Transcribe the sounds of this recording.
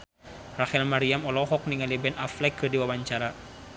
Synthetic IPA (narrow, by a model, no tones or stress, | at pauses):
rahɛlmaɾiamɔlɔɦɔk̚niŋalibɛnaflɛkːɨrdiwabaɲt͡ʃaɾa